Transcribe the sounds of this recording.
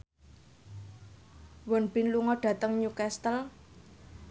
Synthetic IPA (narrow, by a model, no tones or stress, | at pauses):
wənb̥i̤nluŋɔɖ̥ä̤t̪əŋɲukɛst̪əl